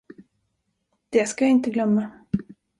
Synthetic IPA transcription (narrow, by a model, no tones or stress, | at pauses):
d̪̥ɛskajaɪnt̪əɡlœmːa